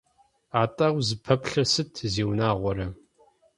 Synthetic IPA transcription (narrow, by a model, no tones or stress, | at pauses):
aːtʼɐwʷzɨpʰɐpɬɐsɨtʰzeːwnaːʁʷɔɾɐ